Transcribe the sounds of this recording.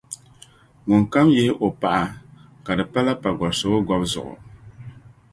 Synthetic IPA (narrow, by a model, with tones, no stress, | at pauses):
ŋʊ˨ŋ˨ka˦mjɛ˦ʔo˨pa˨ʔa˨ | ka˨dɨ˨pa˦la˦pa˨ɡɔ˨so˨o˦ɡɔ˦bzʊ̰˨ʔʊ̰˨